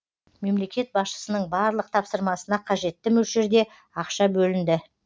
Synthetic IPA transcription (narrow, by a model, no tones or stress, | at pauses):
me̞mle̞kʲe̞t̪̚bɑsʃə̥sənəɴbɑɾlˠəq̚t̪ʰɑpsəɾmɑsənɑqʰɑʒe̞t̪ːɪmɵlʃeɾd̪e̞ | ɑqʃɑbɵlɪnd̪ɪ